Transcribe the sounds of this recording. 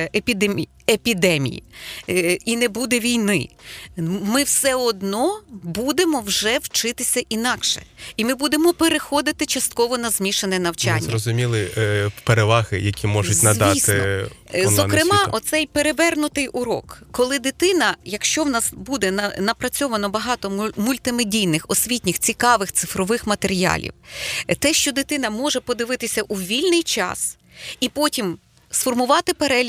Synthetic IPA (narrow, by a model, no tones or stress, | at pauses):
epʲid̪emʲ | epʲid̪ɛmʲḭjḭ | inɛbud̪ɛʋʲijnɪ̰ | mɪwsɛɔd̪nɔbud̪emɔwʒɛwt͡ʃɪt̪ɪsʲɐʔinɑkʃɛ̰imɪbud̪emɔpeɾexɔd̪ɪt̪ɪt͡ʃɐst̪̚kɔʋɔnɐzmʲiʃenɛnɐwt͡ʃa̰nʲːɐɾɔzʊmʲilˠɪpeɾeʋɑɣɪ̰jɐkʲʰimɔʒʊt̪zʲnɐʋ̪ʲist̪ɪɔzɔkɾɪmɑʔɔt̪sɛjpeɾeʋɛrnʊt̪ɪjʔʊɾɔ̰kːɔlˠɪd̪ɪt̪ɪnɐjɐkʃt͡ʃɔwnɑsbud̪ɛnɐnɐpɾɐt͡sʲɔʋɐnɔbɐɦɑt̪ɔmʊlʲt̪ɪmedʲijnɪxɔsʲʋʲitʲnʲɪxt͡sʲikɑʋɪxt̪sɪfɾɔʋɪxmɐt̪eɾʲijɑ̰lʲḭwt̪ɛʃt͡ʃɔd̪ɪt̪ɪn̪ɐmɔʒɛpɔd̪ɪʋɪt̪ɪsʲɐʔuʋʲilʲnɪjt͡ʃɑ̰s | ipɔtʲim | sfɔrmʊʋɑt̪ɪpeɾɛlʲ